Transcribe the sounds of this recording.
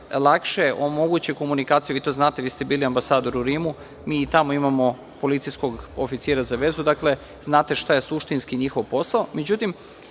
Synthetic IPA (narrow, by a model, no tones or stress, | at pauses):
lˠakʃeʔo̞mo̞ɡut͡ɕeko̞munikaːt̪sijuʋit̪o̞znaːt̪eʋiːst̪ebiːliambasaːd̪o̞ɾuɾiːmu | miːt̪amo̞imamo̞ | po̞lit̪sijsko̞ɡofit̪siːɾazaʋe̞zud̪akle̞ | znaːt̪e̞ʃt̪aje̞suʃt̪inskiɲixo̞ʋpo̞saome̞d͡ʑut̪im